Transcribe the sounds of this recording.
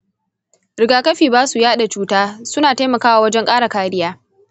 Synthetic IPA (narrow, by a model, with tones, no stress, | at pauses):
ɽɪ˨ɡaː˨kɐ˦ɸiː˨baː˦su˨jaː˦ɗa˨t͡ʃuː˦taː˦sʊ˦naː˨ta˦jmɐ˨kaː˦waː˨wɐ˦d͡ʒɛ˦ŋkʼaː˦ɽa˨kaː˦ɽɪ˦jaː˦